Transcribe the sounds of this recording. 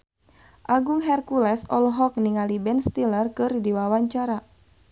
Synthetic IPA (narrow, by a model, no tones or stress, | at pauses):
ʔaɡuŋɦɛrkulɛsɔlɦɔk̚niŋalibɛnst̪ilərkɨrdiwawaɲt͡ʃaɾa